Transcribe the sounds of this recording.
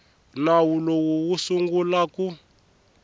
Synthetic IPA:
nawulowuwusuŋɡulaku

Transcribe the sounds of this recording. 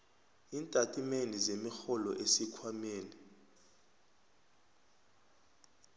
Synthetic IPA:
iːntʼatʼimenizemixɔlɔ̰ʔesikʰwameːni

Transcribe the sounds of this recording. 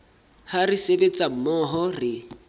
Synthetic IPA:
harisebet͡sʼam̩mɔɦɔrɪ

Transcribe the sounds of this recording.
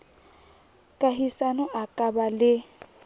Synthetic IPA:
kʼaɦisanɔʔakʼabalɪ

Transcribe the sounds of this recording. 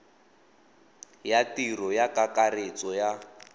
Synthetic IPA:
jatirɔjakakaret͡sɔja

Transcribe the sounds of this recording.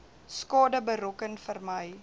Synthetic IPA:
skɑːdəbəɾɔkənfərməj

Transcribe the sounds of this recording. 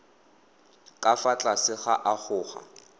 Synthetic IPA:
kʼafat͡ɬʼasɪχaʔaχʰʊːχa̰

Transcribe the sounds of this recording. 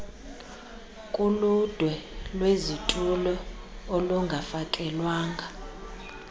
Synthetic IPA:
kʼulud̥ʱwɛlwezitʼulɔoluŋɡʱafakʼɛlwaːŋɡʱa

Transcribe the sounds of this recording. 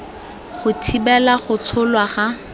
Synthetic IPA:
χʊtʰibɛlaχʊt͡sʰʊlwaχa

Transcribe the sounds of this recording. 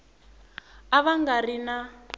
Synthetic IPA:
aβaŋɡarina

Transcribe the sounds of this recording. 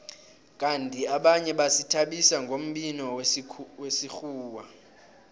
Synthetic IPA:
k̬ʼantʼiaɓaɲɛɓasitʰaɓisaŋɡʱom̩ɓinɔwesixuːwa

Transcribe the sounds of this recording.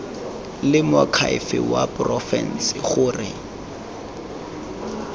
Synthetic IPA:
lɪmakʰaɪ̰fɪ̰wapʼrɔfɛn̩sɪχʊːrɪ

